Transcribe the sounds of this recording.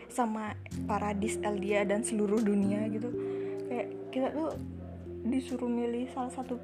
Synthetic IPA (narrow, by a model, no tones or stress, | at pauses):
sama | paɾadɪsɛldiadansəluɾʊhduniaɡit̪ukajaʔ | kit̪at̪u | disuɾumilɪhsalahsat̪u